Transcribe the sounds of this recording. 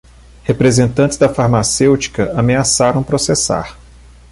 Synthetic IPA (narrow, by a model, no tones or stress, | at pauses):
hepɾezẽnt̪ɐ̃nt͡ʃ̪ɪ̥zd̪ɐfaɾmasewt͡ʃi̥kɐameasaɾɐ̃w̃pɾosesa̰ɾ